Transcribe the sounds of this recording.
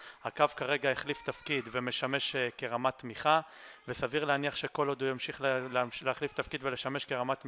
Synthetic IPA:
hakavkaʁe̞ɡaeχlift̪afkid̪ve̞me̞ʃame̞ʃke̞ʁamat̪miχa | vesaviʁleaniaχʃe̞ko̞lo̞d̪ujamʃiχllleaχlift̪afkid̪vele̞ʃame̞ʃkeʁamat̪m

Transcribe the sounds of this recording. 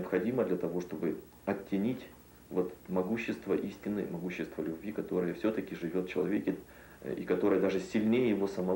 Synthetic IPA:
əpxɐdʲiməd̪lʲɐt̪ɐvo̞ʂt̪o̞bɨ | ɐtʲːɪnʲitʲ | vo̞t̪mɐɡuɕːɪst̪vəʔisʲtʲɪnːɨ̰mɐɡuɕːɪst̪vəlʲʉbvʲikɐt̪o̞ɾɨjəfsʲɵt̪əkʲɪʐɨvʲo̞t̪t͡ɕɪlˠɐvʲekʲɪ | ḭkɐt̪o̞ɾɨjəd̪aʐɨsʲɪlʲnʲejɪjɪvo̞səmɐ

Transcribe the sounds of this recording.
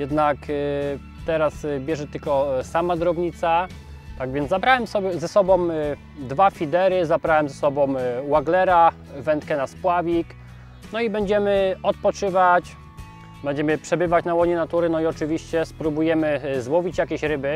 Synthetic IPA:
jɛd̪nak | t̪ɛɾasbʲjɛʐɛt̪ɘlkɔsamad̪ɾɔbɲit̪sa | t̪aɡvʲjɛnzzabɾawɛmsɔbʲjɛzɛsɔbɔ̃m | d̪vafʲid̪ɛɾɘzabɾawɛmzɛsɔbɔ̃mwaɡlɛɾa | vɛnt̪kɛnaspwavʲik | nɔibɛɲd͡ʑɛmɘɔt̪̚pɔt͡ʂɘvat͡ɕ | bɛɲd͡ʑɛmɘpʂɛbɘvat͡ɕnawɔɲɛnat̪uɾɘnɔiɔt͡ʂɘvʲiɕt͡ɕɛspɾubujɛmɘzwɔvʲit͡ɕjakʲɛɕɾɘbɘ

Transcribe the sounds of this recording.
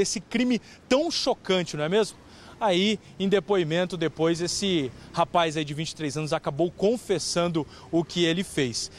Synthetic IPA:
esɪkɾĩmɪ | t̪ɐ̃w̃ʃokɐ̃nt͡ʃɪnɐ̃w̃ɛmezmʊ | ai | ẽd̪epoimẽnt̪ʊd̪epojzesɪhapajzaid͡ʒɪvĩnt͡ʃɪ̥t̪ɾejzɐ̃nʊzakabowkõfesɐ̃nd̪ʊ | ʊkɪelɪfejs

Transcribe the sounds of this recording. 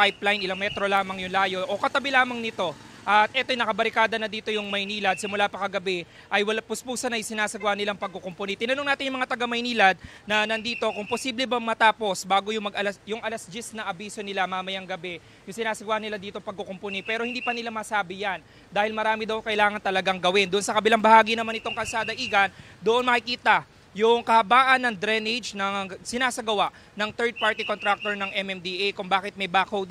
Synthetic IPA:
pajplɐjnʔɪlaŋmɛt̪ɾo̞laːmɐŋjʊŋlaːjo̞ʔokɐt̪ɐbɛlaːmɐŋnɪt̪o̞ | ʔɐt̪̚ʔɛt̪ojnɐkɐbɐɾɪkaːd̪ɐnɐd̪iːt̪o̞jʊŋmɐjniːlɐd̪̚sɪmʊlapɐkɐɡɐbɛ | ʔɐjwɐlpʊspuːsɐnɐjsɪnaːsɐɡwahnɪlaŋpɐɡ̚kokomponit̪ɪnɐnoŋnaːt̪ɪnjʊŋmɐŋat̪ɐɡamɐjniːlɐd̪̚nɐnɐnd̪iːt̪o̞kʊŋpo̞siːblɛbɐmɐt̪aːpo̞sbaːɡo̞jʊŋmɐɡɐlɐsjʊŋɐlɐsd͡ʒisnɐʔɐbiːso̞nɪlamaːmɐjaŋɡɐbɛ | jʊŋsɪnaːsɐɡwaːhɐnɪlad̪iːt̪o̞pɐɡ̚kokomponipɛːɾo̞hɪnd̪iːpɐnɪlamɐsaːbɪjan | d̪aːhɪlmɐɾaːmɪd̪ɐwkɐʔɪlaːŋɐnt̪ɐlɐɡaŋɡɐwɪnd̪oʊʔonsɐkɐbɪlaŋbɐhaːɡinɐmanɪt̪o̞ŋkɐlsaːd̪ɐʔiːɡɐn | d̪oʔonmɐkɪkiːt̪ɐ | jʊŋkɐhɐbaːʔɐnːɐŋd̪ɾɛned͡ʒnɐŋsɪnaːsɐɡɐwaʔ | nɐŋt̪ɛɹd̪̚paɹt̪ikonɾak̚t̪oɹnɐŋʔɛmɛmd̪iʔejkʊŋbaːkɪt̪̚mɐjbakow̪

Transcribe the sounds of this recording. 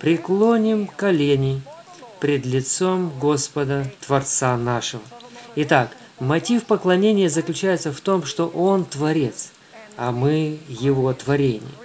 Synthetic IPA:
pɾʲɪklˠonʲɪmkɐlʲenʲɪj | pɾʲɪd̪lʲɪt̪so̞mɡo̞spəd̪ət̪vɐrt̪sanaʂɨvəɪt̪ak | mɐtʲifpəklˠɐnʲenʲɪjəzəklʲʉt͡ɕæjɪt̪səft̪o̞mʂt̪o̞ʔont̪vɐɾʲe̞t̪s | ɐmɨjɪvo̞t̪vɐɾʲenʲɪ̰jə̰

